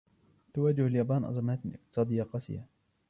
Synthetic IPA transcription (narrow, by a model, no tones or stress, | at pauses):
t̪awaːd͡ʒɪhaljaːbaːnʔɑ̰zˤɑmaːt̪ʔɪq̚t̪ɨ̥sˤɑːd̪ɪjːaqɑsɪ̰ja̰